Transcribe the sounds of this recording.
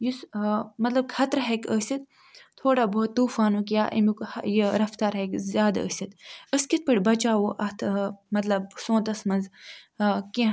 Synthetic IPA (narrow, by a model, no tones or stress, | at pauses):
jismɐt̪lɐb̚kʰɐt̪ɾɦekəːsʲit̪̚ | t̪ʰoːɽaːboːt̪ːuːfaːnukijaːʔḭmukjiɾɐft̪aɾɦekzjaːd̪ə̰ːsʲit̪əskit̪̚pɐɽʲbɐt͡ʃaːwoʔɐt̪ʰmɐt̪lɐb̚sõːnt̪ɐsmɐnz | kĩ